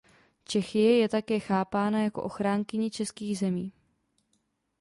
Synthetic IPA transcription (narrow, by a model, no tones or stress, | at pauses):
t͡ʃɛxɪjɛjɛt̪akɛːxaːpaːnajako̞̰ʔo̞xɾaːŋkɪɲɪt͡ʃɛskiːɣzɛmiː